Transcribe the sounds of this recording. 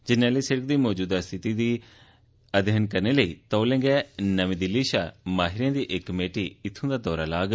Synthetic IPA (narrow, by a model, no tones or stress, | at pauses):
d͡ʒɪnaːləiːsəɾəkd̪iːmɔːd͡ʒuːd̪aːst̪ʰɪt̪iːd̪iː | əd̪jənkəɾneːləiːt̪ɔːlẽːŋɡɛːnəʋĩːd̪ɪlːiːʃaːmaːɦɪɾãːd̪iːʔɪkːəmeːʈiːɪt̪ʰːõːd̪aːd̪ɔːɾaːlaːɡ